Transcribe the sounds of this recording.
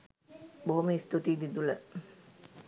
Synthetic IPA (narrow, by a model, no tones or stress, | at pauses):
boɦoməist̪ut̪iːd̪id̪ulə